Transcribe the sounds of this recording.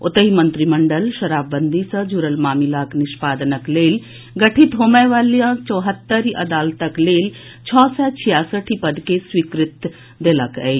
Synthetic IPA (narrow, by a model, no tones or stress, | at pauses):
ʊt̪əɦimɐ̃nt̪ɾimɐɳɖəlʃɐɾaːbːənd̪isɐ̃d͡ʒuɾəlmaːmɪlaːknɪʃpaːd̪ənəkleːl | ɡɐʈʰit̪ɦoːməjʋaːlijãt͡ʃɔːɦət̪ːəɾiʔɐd̪aːlt̪əkleːl | t͡ʃʰɔːsɛt͡ʃʰijaːsəʈʰipɐd̪keswiːkɾɪt̪ | d̪elɐkɛe